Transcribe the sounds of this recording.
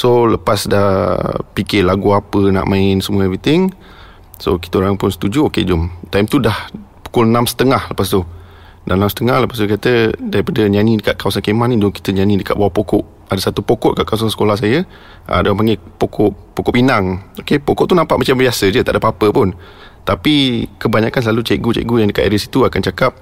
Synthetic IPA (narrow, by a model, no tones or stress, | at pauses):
soləpasdahpikɪlaɡuapəna̰ʔmãɪnsəmũəɛvɾit̪ɪŋ | so̰ki̥t̪əoɾaŋpʊnsə̥t̪ud͡ʒuoked͡ʒʊmt̪ajmt̪udahpu̥kʊlnãmsə̥t̪əŋahləpas̬t̪u | danãmsə̥t̪əŋahləpast̪ukat̪ədaɾipadəɲanidəkaʔ̪̚kawasankemannĩdʊŋki̥t̪əɲanĩdəkat̪ʔ̚bawahpokɔʔ | adəsat̪upokɔʔ̪̚kaʔkawasansə̥kolahs̬ajə | ʔa̰daampaŋɡepokʰɔʔpːokɔpinaŋokepokɔʔt̪unampaʔmat͡ʃambiasəd͡ʒət̪aʔdapapəpʊn | t̪apikəbaɲãkans̬lalut͡ʃaʔɡut͡ʃɛ̰ʔɡujaŋdəkat̪aɾəsi̥t̪uakant͡ʃakap̚